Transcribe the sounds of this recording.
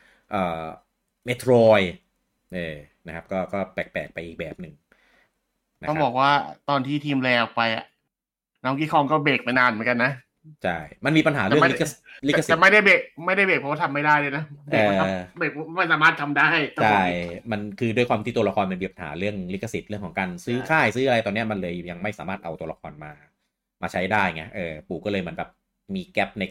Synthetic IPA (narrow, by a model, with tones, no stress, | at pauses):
ʔɤː˨˩ | me˦˥t̪ʰɾɔː˧j | ʔɤː˧˩ | na˦˥kʰa˦˥p̚kɔː˥˩kɔː˥˩pɛ˨˩k̚pɛ̰ː˨˩k̚pa˧jʔːk̚bɛː˨˩p̚nɯ˨˩ŋ | na̰˦ɔ˥˩˦bɔː˨˩k̚waː˥˩t̪ɔː˧nt̪ʰiː˥˩t̪ʰiː˧mlɛː˧wpa˧jʔa̰˨˩ʔ | nɔː˦˥ŋkiː˦˥˩kʰɔ˧ŋkɔː˥˩beː˨˩k̚ma˥˩jnaː˧nm˨˩˦nka˧nːa˦˥ | t͡ɕʰa˥˩jma˧nmiː˧pa˧nɦa̰ː˩˦ɾɯ˨ɯ˥˨ma˥˨˦kli˦˨˥a˧sɛː˨˩ma˥˩jda˥˩jbeː˨˩k̚ma˥˩jda˥˩jbeː˨˩k̚ʰɔː˧˦wa˥t̪ʰa˧mːa˥˩jdaː˥˩jlaː˧˩jna˦˥ʔe˨ɤː˩˧ɔ˥˧beː˨˩k̚ma˥˩jsaː˨˦maː˥˩t̪̚ʰa˧mda˥˩jt̪a˥t͡ɕʰa˧˥˩jma˧nkʰɯː˧du˧jkʰwaː˧mt̪iː˥˩t̪u˧la˧kʰɔː˧nma˧nmiː˧˩pa˧nha̰ː˩˦ɾɯ˥˩əŋli˦˥kʰːa˧˩si˨˩t̪̚ɾɯ˥˩əkʰɔː˩˦kaː˧nsɯː˦˥kʰaː˥˩jsɯː˦˥ʔa˧ɾa˧jt̪ɔː˧ni˦˥ɐma˧nlɤː˧jja˧ŋma˥˩jsaː˨˦maː˥˩t̪̚ʔa̰˧wt̪u˧ɐla̰˧kʰɔ̰ː˧nmaː˧ | maː˧t͡ɕʰa˦˥jdaː˥˩jŋi˦˥ɐʔɤː˨˩puː˨˩kːɔ˥lɤː˧jma˩˦əmbɛː˨˩p̚ | miː˧kɛ˦˥p̚na˧j